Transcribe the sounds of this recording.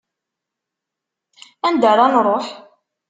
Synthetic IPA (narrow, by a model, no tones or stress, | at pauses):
ænd̪aɾˤanɾˤoħ